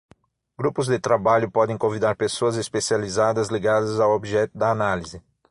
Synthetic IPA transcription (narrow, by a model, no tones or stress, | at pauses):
ɡ̥ɾupʊzd̪ɪt̪ɾabaʎʊpɔd̪ẽj̃kõvid̪aɾpesoɐzespesializad̪ɐzliɡad̪ɐzawobiʒɛt̪ʊd̪ɐːnalizɪ